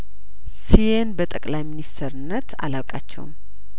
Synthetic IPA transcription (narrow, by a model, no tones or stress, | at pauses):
sijenbət̪ʼəkʼlajminist̪ʰɾɨnːət̪a̰lawkʼat͡ʃːɛ̰wm